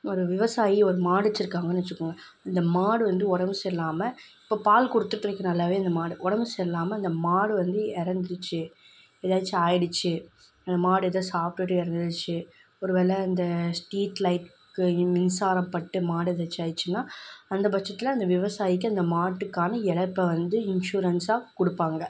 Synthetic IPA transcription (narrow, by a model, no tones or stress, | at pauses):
ɔɾɯʋɪʋɐsaːjiɔɾɯmaːɽɯt͡ʃːɪɾɯkːaːŋɡɐnːt͡ʃːɯkːɯŋɡɐ | ɐnd̪ɐmaːɽɯʋɐnd̪ɯɔɽɐmbɯsɛlːaːmɐɪpːoːpaːlkɔɽɯt̪ːɯʈːɾɐkːɯnɐlːaːʋeːɐnd̪ɐmaːɽɯʔɔɽɐmɯsɛlːaːmɐːnd̪ɐmaːɽɯʋɐnd̪ɯɛɾɐnd͡ʒ̪ɯt͡ʃːɯ | ɛðaːt͡ʃːɯaːjɪɽɯt͡ʃːɯ | ɐnd̪ɐmaːɽɯɛðɐsaːpʈɯʈːɯɛɾɐnd̪ɯt͡ʃːɯ | ɔɾɯʋeːlɛɐnd̪ɐsʈiːʈlɐɪʈ | kɯmɪnsaːɾɐpːɐʈːɯmaːɽɯɛðɐt͡ʃːɯaːjt͡ʃːɯnːaːɐnd̪ɐbɐt͡ʃːɐt̪ːɪlɐɐnd̪ɐʋɪʋɐsaːjɪk̬ːɯɐnd̪ɐmaːʈːɯkːaːnɐɛɽɐpːɐʋɐnd̪ɯɪnʂuːɾɐnsaːkʊɽɯpːaːŋɡɐ